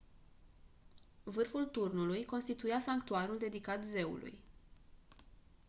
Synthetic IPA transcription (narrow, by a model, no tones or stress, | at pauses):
vɨrfult̪urnulujko̞nst̪it̪ujasaŋkt̪uaɾuld̪e̞d̪ikat̪ze̞ṵlṵj